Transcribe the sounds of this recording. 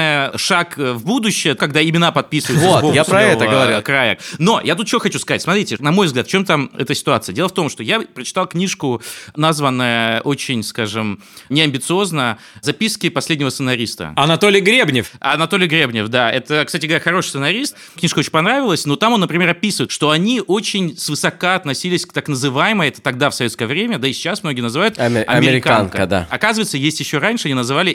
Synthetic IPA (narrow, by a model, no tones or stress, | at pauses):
ɨjəʂakvbud̪ʊɕːɪjəkɐɡd̪aɪmʲɪnapɐt̪̚pʲisvəjt̪vot̪bojaɾɐɛvəɡəvɐɾɾkɾajə̰no̞jat̪ut̪̚t͡ɕvoxɐt͡ɕuskɐzatʲsmɐt̪ɾʲitʲɪnɐmo̞jvzɡlʲat̪ft͡ɕo̞mt̪amɛ̰t̪əsʲɪ̥t̪ʊat̪sɨədʲelˠəft̪o̞mʂt̪o̞japɾət͡ɕɪ̥t̪alˠknʲiʂkʊnazvənːəjəʔo̞t͡ɕɪnʲskaʐɨm | nʲɪɐmʲbʲɪt̪sɨo̞znə | zɐpʲiskʲɪpɐsʲlʲed̪ʲnʲɪvəsɨnɐɾʲist̪ə̰ɐnɐt̪olʲɪjɡɾʲebnʲɪfɐ̰nɐt̪o̞lʲɪjɡɾʲebnʲɪfd̪aɛt̪əksatʲɪɡəvɐɾʲaxɐɾo̞ʂɨ̥sɨnɐɾʲist̪̚ | knʲiʂkəo̞t͡ɕɪ̥̃nʲpɐnɾavʲɪlˠəsʲno̞t̪amonːəpɾʲɪmʲeɾɐpʲisɨvəɨɪt̪ʂt̪o̞ɐnʲiʔo̞t͡ɕɪnʲsvɨsɐkaɐt̪nɐsʲilʲɪsʲkt̪aknəzɨvajɪməjɛt̪ə̥t̪ɐɡd̪afsɐvʲeskəjəvɾʲemʲəd̪aɪsʲɪ̥t͡ɕːasmno̞ɡʲɪənəzɨvajʊt̪ɐ̰mʲɪɾɪkaaankəəd̪a̰ɐkazɨvəjɪt̪səjesʲtʲjɪɕːoɾanʲʂɨɐnʲinəzɨvalʲɪ